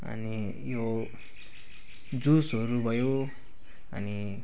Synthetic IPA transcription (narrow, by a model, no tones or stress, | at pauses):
ʌ̰ni | jo | d͡zusɦʌɾubʱʌjo | ʌ̰ni